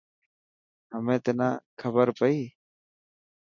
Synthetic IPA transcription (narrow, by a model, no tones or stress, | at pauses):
ɦəmẽːt̪eːnãːkʰəbəɾpəiː